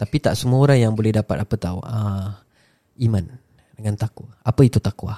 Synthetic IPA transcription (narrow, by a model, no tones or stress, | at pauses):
t̪apit̪aʔsəmuaoɾaŋjaŋbolɛhdapat̪̚apət̪awə | imãn | dəŋant̪akuaapəit̪ut̪akua̰